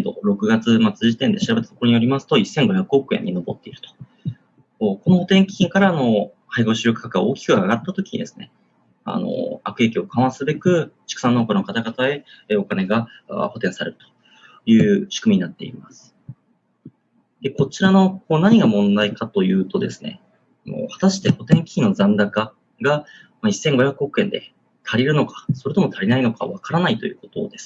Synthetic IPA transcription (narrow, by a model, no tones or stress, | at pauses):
ed̪o̞̰ɾo̞kɯ̟ɡat͡sɨmat͡sɨʑit̪ẽ̞nd̪e̞ɕiɾabe̞t̪at̪o̥koɾo̞ɲ̟ijo̞ɾʲimasɨ̥t̪o̞isːẽ̞ŋɡo̞çakɯ̟okɯ̟ẽ̞̰ɲ̟ːino̞bot̪ːeiɾɯ̟t̪o̥ | ko̞no̞ho̞t̪ẽ̞ŋkʲiĩŋkaɾaːno̞ | haiɡo̞ɕiokɯ̥kːakɯɡa̰o̞ːkʲi̥kɯ̟aɡat̪ːat̪o̞kʲi̥ɲ̟ḭd̪e̞sɨ̥ne̞̰ | a̰no̞̰akɯ̟e̞kʲio̞kʰãɰ̃asɨbe̞kɯ̟t͡ɕi̥kɯ̟sãnːo̞ːkoɾnokat̪aɡat̪ae̞eokane̞ɡaa̰ho̞t̪ẽ̞ɰ̃saɾe̞ɾɯ̟̥t̪o̥ | jɯ̟ːɕɨ̥kɯ̟mʲiɲ̟inat̪ːe̞̰ḭmasɨ̥ | d̪e̞ko̞t͡ɕiɾano̞koːnaɲ̟iɡamõ̞nd̪aikat̪o̞jɯ̟ːt̪o̞d̪e̞sɨ̥ne̞̰ | mo̰hḁt̪aɕi̥t̪e̞ho̞t̪ẽ̞ŋkʲi̥inːo̞zãnd̪aka | ɡa | maisːẽ̞ŋɡo̞çjakɯok̟ẽ̞nd̪e̞ | t̪ʰaɾʲiɾɯ̟no̞kḁso̞ɾet̪omo̞t̪ʰaɾʲinaino̞ka̰βakaɾanait̪o̞̰jɯ̟̰ːko̞t̪o̞̰ːd̪e̞sɨ̥